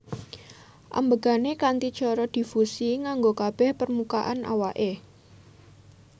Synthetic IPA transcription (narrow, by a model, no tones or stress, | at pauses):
ʔa̰mbəɡ̥a̤nekant̪it͡ʃɔɾɔd̪̥i̤fusiŋaŋɡokab̥ɛhpərmukaʔana̰waʔe